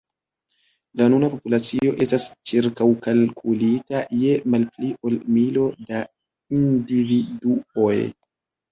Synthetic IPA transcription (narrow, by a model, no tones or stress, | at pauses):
lanunapo̞pulat͡sio̞ʔe̞stast͡ʃiɾkawkalkʰulitaje̞malpliʔolmilo̞da | individuoj